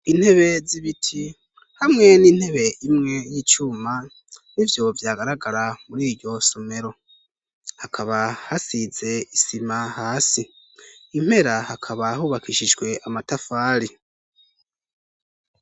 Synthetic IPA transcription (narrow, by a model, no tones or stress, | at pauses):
in̥he̞βe̞ziβitʰi | hamŋe̞niːn̥he̞βe̞ʔimŋe̞jiːt͡ʃuːma | nivjo̞vjaːɡaɾaɡaɾamuɾiːɾɟo̞some̞ɾo̞ | hakʰaβahasize̞isimahaːsiː | m̥he̞ɾahakʰaβahuːβakʰiʃid͡ʒɡwe̞ʔamatafaːɾi